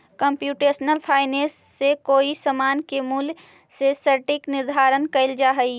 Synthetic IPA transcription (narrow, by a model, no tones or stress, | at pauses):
kəmpjuːʈeːsnəlpʰaːɪneːsːekoːisəmaːnkemul | sesəɾʈɪknɪɾd̪ʱaːɾənkɐɪld͡ʒaːɦəi